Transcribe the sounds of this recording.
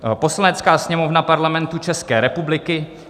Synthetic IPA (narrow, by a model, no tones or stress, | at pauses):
po̞slanɛt͡skaːsɲɛmo̞vnapaɾlamɛnt̪ut͡ʃɛskɛːɾɛpublɪkɪ